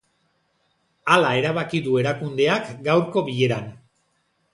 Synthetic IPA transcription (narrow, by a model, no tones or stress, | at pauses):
alae̞ɾaβakiðue̞ɾakund̪e̞akɡawɾko̞βiʎe̞ɾan